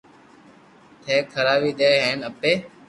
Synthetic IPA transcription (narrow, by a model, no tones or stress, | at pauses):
t̪ʰeːkʰəɾaːʋiːd̪eːɦeːnəpeː